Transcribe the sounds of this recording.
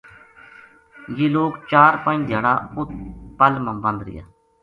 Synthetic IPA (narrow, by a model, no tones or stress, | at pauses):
jeːloːkt͡ʃaːɾpãĩd̪ʱjaːɽaːʊt̪pəlmə̃mbə̃nd̪ɾɪ̰ja̰ː